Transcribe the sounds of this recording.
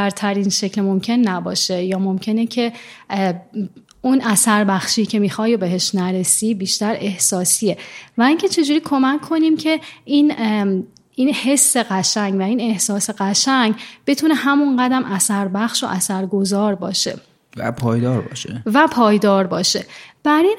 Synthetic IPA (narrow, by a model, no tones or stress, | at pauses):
æɾt̪ʰæɾinʃe̞clemo̞mcʰe̞nːæbɒːʃe̞jɒːmo̞mcʰe̞necʰe̞ | unʔæsæɾbæxʃicʰe̞miːxɒːjobeɦe̞ʃnæɾe̞sibiːʃt̪æɾe̞hsɒːsievæiŋcʰe̞t͡ʃʰe̞d͡ʒuːɾiːkʰo̞mækʰːo̞nimcʰe̞in | inhe̞sːe̞ɣæʃæɲɡvæiːne̞hsɒːse̞ɣæʃæɲɡb̥e̞t̪ʰune̞hæmunɢæd̪æmʔæsæɾbæxʃo̞̰ʔæsæɾɡo̞zɒːɾbɒːʃe̞̰ | væ̰pʰɒːjd̪ɒːɾbɒ̰ːʃevæpʰɒːjd̪ɒːɾbɒːʃe̞b̥æɾin